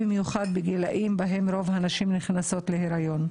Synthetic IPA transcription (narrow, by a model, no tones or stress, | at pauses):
bimjuχad̪̚beɡelaʔimbaɦe̞mɾo̞vanaʃimniχnaso̞t̪leheɾajo̞n